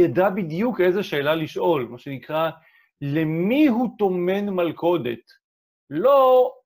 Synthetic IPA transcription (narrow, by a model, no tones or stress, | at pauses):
jadabid̪juke̞jzeʃe̞ːlaliʃʔo̞lmaʃenikʁa | le̞miɦut̪o̞me̞nmalko̞dḛt̪ | lo